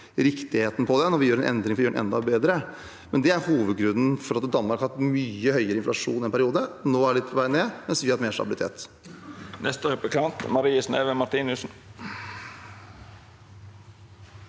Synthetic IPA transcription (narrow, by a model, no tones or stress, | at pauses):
ɾɪkt̪ɪheːt̪n̩pʰɔd̪ɛnɔɾʋɪjøːɾɛnʔɛ̰nd̪ɾɪŋfɔɾjøːɳnʔɛ̰nd̪ɑbeːd̪ɾə | mɛnd̪ɛæɾhuːʋəd̪ɡɾʉnːən̩fɔɾɑt̪d̪ɑnːmɑɾkɑhɑt̪myːəhœʏəɾəɪnflɑʂṵːnɪɛnpʰæɾɪuːd̪ənoːæɖlɪt̪pʰɔʋæɪneːmɛnsʋɪhɑt̪meːɾʂt̪ɑ̰bɪlɪt̪ʰḛːt̪ | nʔɛst̪əɾɛplɪkʰɑnt̪mɑɾiːəsneːʋəmɑɾt̪iːnʉsn̩